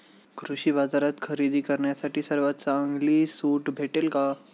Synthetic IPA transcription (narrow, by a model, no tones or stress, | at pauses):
kʰɾuɕiːbad͡zaɾat̪kʰəɾid̪iːkəɾɳjasaʈiːsəɾʋat̪t͡saəŋɡliːsuːʈbʱeʈelka